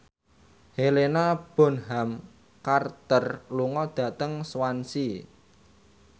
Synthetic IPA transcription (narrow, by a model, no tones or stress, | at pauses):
helenab̥ɔ̤nɦam | kart̪ərluŋɔd̪̥ä̤t̪əŋswansi